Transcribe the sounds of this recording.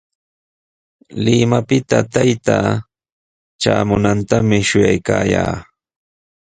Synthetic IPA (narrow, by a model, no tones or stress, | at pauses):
lɪmapɪt̪at̪ajt̪a | t͡ʃaːmʊnant̪amɪʃʊjajkaːja̰ː